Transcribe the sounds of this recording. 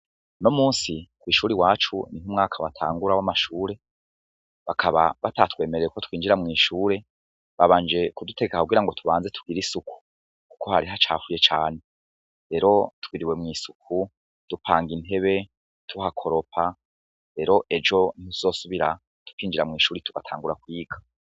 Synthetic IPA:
no̞muːnsikwiːʃuːɾiwaːt͡ʃuniɦumŋaːkʰawatʰa̰ːŋɡuɾawamaʃuːɾe̞ | βakʰaβa̰βatatwe̞ːmeɾeukotwiːnd͡ʒiɾamŋiːʃuːɾe̞ | βaβaːnd͡ʒe̞kudute̞ɡekakuɡiɾaŋɡotʰuβaːnzetʰu̥ɡ̥iɾisuku̥ | kuko̞haɾiɦat͡ʃa̰ːfuje̞t͡ʃaːne̞ | ɾe̞ɾo̞twiɾiwe̞mŋiːsukʰu | d̥upʰaːŋɡinte̞βe̞ | tʰuhakʰo̞ɾo̞pʰa | ɾe̞ɾo̞ʔed͡ʒo̞nihuu̥zo̞suβiɾa | tu̥kiːnd͡ʒiɾamŋiːʃuːɾituɡatʰa̰ːŋɡuɾakwiːɡa

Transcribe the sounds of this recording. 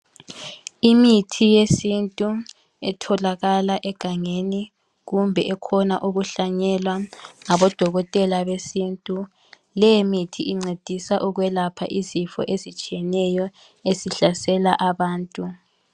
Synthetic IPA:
imitʰijesintʼu | ɛtʰɔlaɣalaʔɛɡ̥ʱaŋeni | ɣumbʱɛʔɛkʰɔnaʔuɣuɬaɲɛlwaŋaβɔd̥ʱɔɣɔtʼɛlaβesintʼu | lɛjemitʰiiŋ͡ǀed̥ʱisaʔuɣwɛlapʰa̰ʔizifɔ̰ʔezit͡ʃʼijɛnɛjɔ | eziɬasɛlaʔaβaːntʼu

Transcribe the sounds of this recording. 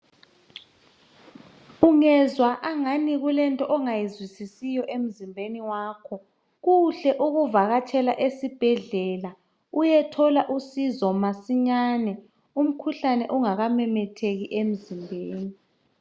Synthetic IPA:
uŋɛzwaʔaŋaniɣulɛntʼɔʔɔŋajizwisisijɔʔem̩zimbʱeniwaːkʰɔ | ɣuɬɛʔuɣuvaɣatʰɛla̰ʔesib̥ʱɛɮɛla | ujɛtʰɔlaʔusizɔmasiɲanɛ | um̩kʰuɬanɛʔuŋaɣamɛmɛtʰeɣiʔem̩zimbʱeːni

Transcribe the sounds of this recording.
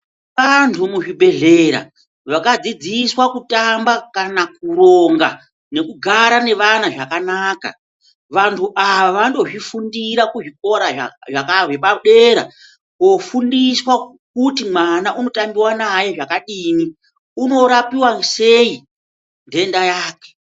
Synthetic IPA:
ʋantʰumuʐibʱe̞ɮe̞ɾa̰ | ʋakad͡zid͡ziswakutambakanakuɾoŋɡa | ne̞kuɡʱaɾane̞ʋanaʐakanaːka̰ | ʋantʰuʔaʋaʋando̞ʐifundiɾakuʐik̚o̞ɾaaʐakaʐeɓaɗe̞ɾa̰ | kofundiswa | kutimwanaʔuno̞tambiwanaje̞ʐakaɗiːmi | uno̞ɾapiwase̞i | nde̞ndajaːke̥

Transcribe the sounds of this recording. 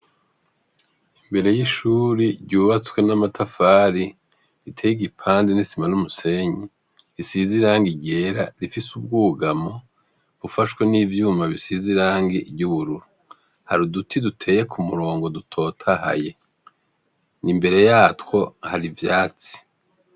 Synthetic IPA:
imbe̞ɾe̞jiʃuːɾiɾɟuːβat͡swe̞namatʰafaːɾi | ɾitʰejiɡipʰaːndenisimanumuse̞ɲi | ɾisiziɾaːŋɡiɟe̞ɾaɾifisub̚ɡuːɡamo̞ | βufaʃwe̞niːvjuːmaβisiziɾaːŋɡiɟuβuɾuɾu | haɾudutʰidutʰe̞ːje̞kʰumuɾo̞ːŋɡo̞dutʰo̞ːtʰaha̰je̞ | nimbe̞ɾe̞jaːtwo̞haɾivjaːt͡si̥

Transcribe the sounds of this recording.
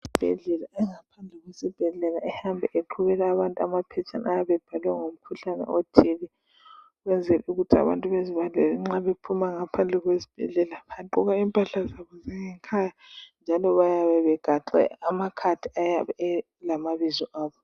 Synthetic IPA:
zib̥ʱɛ̰ɮɛlaɛŋapʰand͡ɮʱɛɣwesib̥ʱɛɮɛlaɛhambʱɛʔeǃʰuβɛlaːβantʼuamapʰɛt͡ʃʰʼa̰najaβɛb̥ʱalɛŋom̩kʰuɬanɛ̰otʰili | ɣwɛnd͡zʱɛlɛuɣutʰia̰βa̰ntʼuβeziβandɛlɛŋ͡ǁaβepʰumaŋapʰand͡ɮʱɛɣwezib̥ʱɛ̰ɮɛlaβaǃuɣaiːmpʼaɬazaβɔzaŋɛŋkʰajand͡ʒʱalɔβajaβɛβɛɡ̥ʱaǃɛ̰amakʰatʰiajaβɛɛ | lamaβizɔʔaːβɔ

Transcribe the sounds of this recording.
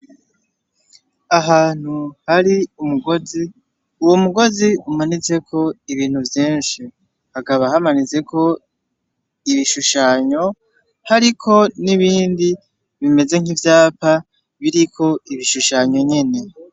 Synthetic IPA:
aɦaːn̥huhaɾiumuɡozi | uwomuɡo̞ziumanize̞kʰo̞iβiːn̥huvjiːnʃi | hakaβahamanize̞kʰo̞ | iβiʃuʃaɲo̞ | haɾikʰo̞niβiːndi | βime̞ze̞ŋ̥ivjaːpa | βiɾikʰo̞iβiʃuʃaɲo̞ɲe̞ne̞

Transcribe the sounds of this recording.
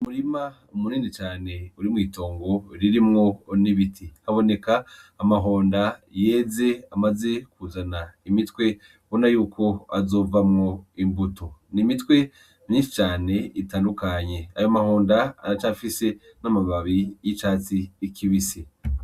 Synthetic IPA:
muɾima | umuniːnit͡ʃaːne̞uɾimŋiːto̞ːŋɡo̞ɾiɾimŋo̞niβitʰihaβo̞ne̞kaːmaɦo̞ːndaje̞ːze̞amaze̞kuːzanaimitkwe̞ | βo̞najuːkʰo̞azo̞ːvamŋo̞imbutonimitwe̞ | mɲiːnʃi̥t͡ʃaːne̞itaːndukaɲe̞ajomaho̞ːndaa̰ɾat͡ʃafise̞ | namaβaβijit͡ʃaːt͡siːkʰiβise

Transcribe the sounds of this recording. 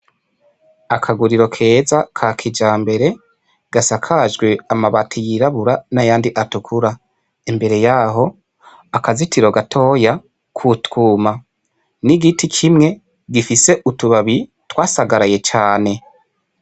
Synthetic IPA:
akʰaɡuɾiɾo̞kʰe̞ːzakʰakʰid͡ʒaːmbe̞ɾe̞ | ɡ̥asakʰaʒɡwe̞amaβatʰijiɾaβuɾanajaːndiʔatukʰuɾa | imbe̞ɾe̞jaɦo̞ | akazitiɾoɡatʰo̞ja | kʰutuːma | niɡitʰikʰimŋe̞ | ɡifise̞ʔutuβaβi | twaːsaɡaɾaje̞t͡ʃaːne̞

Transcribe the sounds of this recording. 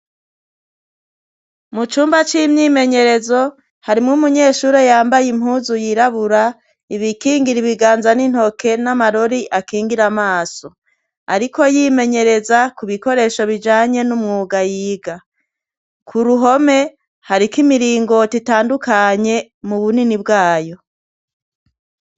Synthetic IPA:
mut͡ʃuːmbat͡ʃimɲiːme̞ɲe̞ɾe̞zo̞ | haɾimŋumuɲe̞ːʃuːɾejaːmbajim̥huːzujiɾaβuɾa | iβikiːŋɡiɾiβiɡaːnzanin̥ho̞ke̞namaɾo̞ɾiʔakiːŋɡiɾamaːso̞ | a̰ɾiko̞jiːme̞ɲe̞ɾe̞zakuβiko̞ɾe̞ʃoβid͡ʒaːɲe̞numŋuːɡajiːɡa | kʰuɾuɦo̞me̞ | haɾikimiɾiːŋɡo̞titaːndukaɲe̞ | muβuninib̚ɡaːjo̞

